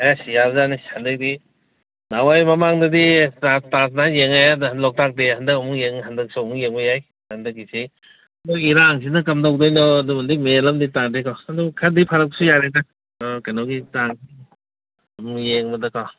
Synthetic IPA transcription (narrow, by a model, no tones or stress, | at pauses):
ajasijabzanishandɯk̚di | nawajmamaŋdɐditatatnajeŋajadlɔk̚tak̚dehandɐkɐmuŋjeŋhandɐk̚sumuŋjeŋbɔjaj | handɯk̚isi | dɔiɾaːŋs̬inɐkɐmdawdɔjnɔdumandimelamditaŋdekaadɔkʰadipʰaɾɐp̚k̚sujaɾeta | dɔkanɔwɡitaŋsi | ɐmuŋjeŋbɐdɐkaw